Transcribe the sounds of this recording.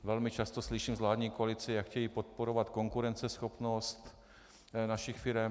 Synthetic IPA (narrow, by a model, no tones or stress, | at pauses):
vɛlmɪt͡ʃast̪o̞slɪʃiːmzlaːd̪ɲiːkoalɪt͡sɪjakxcɛjipot̪̚poɾovat̪ko̞ŋkuɾɛnt͡sɛsxopnost̪ | naʃɪxfɪɾɛm